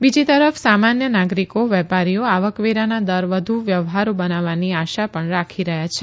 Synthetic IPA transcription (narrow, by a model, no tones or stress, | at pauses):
bid͡ʒit̪əɾəfsamanjənaɡɾikoʋɛpaɾioaʋəkʋeɾanad̪əɾʋəd̪ʱuʋjəʋɦaɾobənaʋaniaʃapəɳɾakʰiɾəɦjat͡ʃʰe